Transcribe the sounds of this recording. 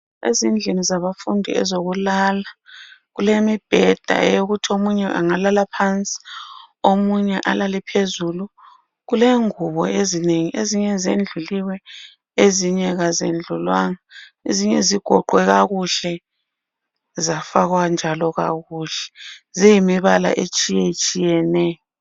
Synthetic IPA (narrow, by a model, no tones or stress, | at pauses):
ḛzind͡ɮʱenizaβafundʱḭɛ̰zoɣulalaɣulemib̥ʱɛd̥ʱa̰ɛ̰joɣutʰiomuɲɛʔa̰ŋalalapʰant͡sʼi̥omuɲɛʔa̰lalɛpʰezulu | ɣuleŋuβɔ̰ezineŋiʔeziɲɛzend͡ɮʱuliwɛ | eziɲɛɣazḛnd͡ɮʱulwaŋaeziɲɛziɡ̥ʱɔǃwɛɣaɣuɬɛ | zafaɣwand͡ʒʱalɔɣa̰ɣuɬɛ̥zijimiβala̰ʔet͡ʃʼijɛt͡ʃʼijɛnɛːjɔ